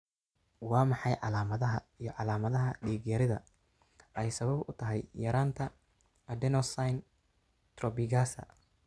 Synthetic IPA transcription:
wɑːmɑħɑjʕɑlaːmɐðɐɦɐijɞʕɑlaːmɐðɐɦɐɖiːɡjɐɾɪðɐ | ʔɛjsɐβɐbʊt̪ʰɐɦɛjjɐɾaːnt̪ʰɐ | ɐd̪ɛnɔsajn | t̪rɔbɪɣaːsɐ̰

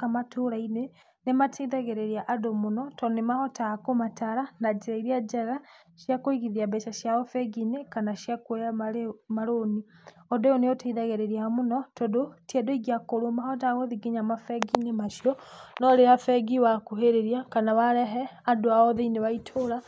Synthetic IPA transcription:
kamatoɾaine | nematʰeðaɣeɾeɾiaʔadomonɔtɔnemahɔtakomataɾanad͡ʒiɾaiɾiad͡ʒaɣa | ʃjakoiɣiðiabɛʃaʃjaɔfɛɡinekanaʃjakwejamaemaɾoniɔdojɔneotaiðaɣeɾeɾiamonɔtɔdotjɛdoiɣiakoɾomahɔtaɣoðiɡeɲamafɛɡinemaʃjɔnɔɾeafɛɡiwakuɦeɾeɾiakanawaɾɛɦɛadoaɔðeineβaitʰoɾa

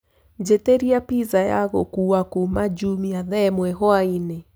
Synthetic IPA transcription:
d͡ʒeteɾiapizaja̰ɣokuːakumad͡ʒumiaðɛmwɛɦoaine

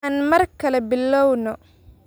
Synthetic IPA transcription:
aːnmɐrkʰɐlɛbɪlːɔwnɔ

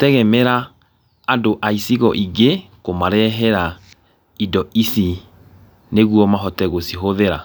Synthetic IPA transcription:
tɛɣɛmɛɾaː | doʔaisiɣɔʔiɡe | komaɾɛɦɛɾa | idɔisi | neɣuɔmaɦɔtɛɣosiɦoðeɾa̰

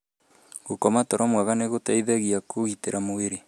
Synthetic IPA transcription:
ɣokɔmatɔɾɔmwaɣaneɣotaiðɛɣiakoɣiteɾamoweɾe

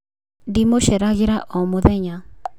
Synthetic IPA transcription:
dimoʃɛɾaɣiɾaʔɔmoðɛɲa

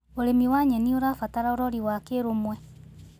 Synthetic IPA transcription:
oɾemiwaɲɛnioɾafataɾaoɾɔɾiwakeɾomwɛ

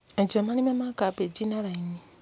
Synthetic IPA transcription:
ad͡ʒamanimamakabed͡ʒinalaini

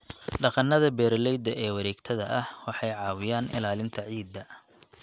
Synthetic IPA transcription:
ɖɑqɑnɐðɐbɛːɾlɛjd̪ɐʔɛːwɐɾɛːɡt̪ʰɐðɐʔɐhwɑħɑjʕɑːwɪjaːnɪ̰laːlɪnt̪ʰɐʕiːd̪ːɐ

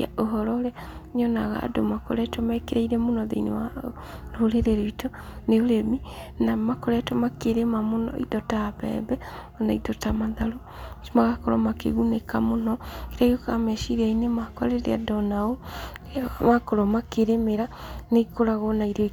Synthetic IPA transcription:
a̰oɦɔɾɔɾeaɲɔnaɣa̰ːdomako̰ɾɛtɔmɛkeɾaiɾɛmonɔðḛinḛwa | ɾoɾeɾeɾeitɔneoɾeminamakoɾɛtɔmakeɾemamonɔ̰ʔḭtɔtapɛ̰bɛɔnaitɔtamaðaɾo | ʃmaɣakɔɾɔmakḛɣunekamonɔkeɾaiokamɛʃiɾeainemakwa̰ɾeɾḛadɔnao | makoɾɔmakeɾemeɾanekoɾaɣɔnaiɾɔ

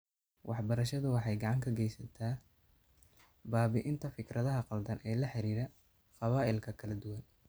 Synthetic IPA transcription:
wʔɑħbɐɾɐʃɐðʊwɑħɑjɡɑʕɑŋkʰɐɡɛjsɐt̪ʰaː | baːβɪʔɪnt̪ʰɐfɪkrɐðɐɦɐqɑld̪ɐnʔɛːlɐħɪɾiːɾɐ | qɑβaːʔɪlkʰɐkʰɐlɐd̪ʊwɐn

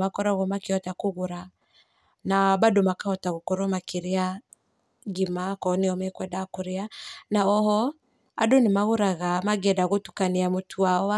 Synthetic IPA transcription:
akɔɾɔɣɔmakiɔtakuɣuɾa | nabadomakaɔtaɣokɔɾɔmakiɾia | ɡimakɔniɔmɛkwɛdakuɾianaɔhɔ | a̰donimaɣuɾaɣamaɡɛdaɣotu̥kaniamutʰuaɔa

